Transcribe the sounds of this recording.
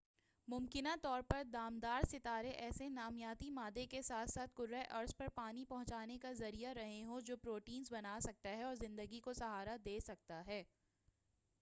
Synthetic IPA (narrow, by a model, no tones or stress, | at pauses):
mʊmkɪnat̪ɔːɾpɐɾd̪aːmd̪aːɾsɪt̪aːɾeʔɛːsenaːmjaːt̪imaːd̪ekesaːt̪ʰsaːt̪̚ʰɡʊɾːaʔɐɾspɐɾpaːnipɐɦʊ̃t͡ʃaːnekazɐɾijaɾɐɦẽɦod͡ʒoːpɾoːʈiːnzbɐnaːsɐk̚t̪aɦɛɔːɾzɪ̃nd̪əɡikosɐɦaːɾad̪eːsɐk̚t̪aɦɛː